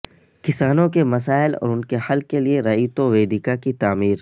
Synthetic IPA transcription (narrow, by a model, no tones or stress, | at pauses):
kɪsaːnõkemɐs̬aːɪlɔ̰ːɾʊnkehɐlkelieɾɐiːt̪oʋeːd̪ɪkakit̪aːmiːɾ